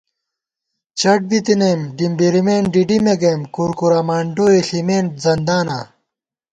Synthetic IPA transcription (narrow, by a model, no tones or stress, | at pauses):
t͡ɕɐʈ̚bit̪inemɖimbiɾimeːnɖiɖimeɡeːmkuːɾkuɾamaːɳɖoːeɬimeːnd͡zɐnd̪aːnaː